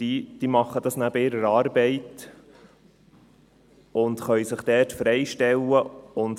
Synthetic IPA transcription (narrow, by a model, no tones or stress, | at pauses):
d̥id̥̪iːmɑχːəd̪ɑsnæb̥əɪɾəɾɑːɾbɛɪt | ʊnd̪χœʏjsɪχd̥̪ɛːtfɾɛɪʃtɛlːəʊnt